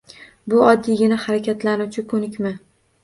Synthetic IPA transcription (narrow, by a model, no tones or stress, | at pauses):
bʊɒd̪ːijɡʲɪnahaɾakʲat̪lanut͡ʃʰɪkʰɵnɪkʲma